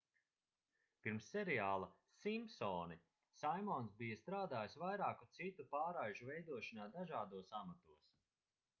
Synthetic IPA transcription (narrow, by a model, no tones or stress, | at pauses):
piɾmsːɛɾiaːlˠɐ | simpsɔːni | sajmɔnsbijɐst̪ɾaːd̪aːjsvajɾaːkut̪sit̪upaːɾajʒuvɛjd̪uɔʃanaːd̪aʒaːd̪uɔsamat̪uɔs